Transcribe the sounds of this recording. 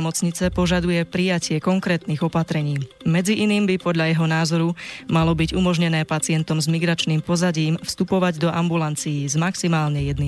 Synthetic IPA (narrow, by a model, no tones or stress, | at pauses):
mɔt͡sɲit͡sɛpɔʒad̪ujɛpɾijacɪɛkɔŋkɾɛːt̪niːɣɔpat̪ɾɛɲiː | mɛd͡ziʔiniːmbipɔd̪ʎajɛɦɔnaːzɔɾumalɔbiɟumɔʒɲɛnɛːpat͡sɪɛnt̪ɔmzmiɡɾat͡ʃniːmpɔzaɟiːmfst̪upɔʋaɟd̪ɔʔambulant͡sijizmaksimaːlɲɛjɛd̪ni